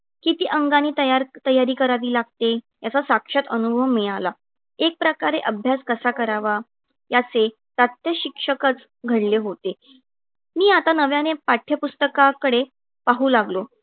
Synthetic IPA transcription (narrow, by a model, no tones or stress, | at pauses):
kit̪iːʔəŋɡaniːt̪əjaɾt̪əjaɾiːkəɾaʋiːlaɡ̚t̪e | jat͡sasakʂat̪ənubʱəwmːiɭ̃ala | ek̚pɾəkaɾeʔəbʱjaskəsakəɾaʋa | jat͡se | t̪at̪jəɕikʂəkət͡s | ɡʱəɽleɦot̪e | miːat̪anəʋjanepaʈʰjəpust̪əkakəɽe | paɦuːlaɡlo